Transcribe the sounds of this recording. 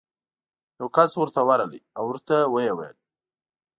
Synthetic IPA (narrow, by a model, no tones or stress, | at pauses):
jawkaswʊɾt̪awaɾalḭawʊɾt̪awəjewa̰j̰l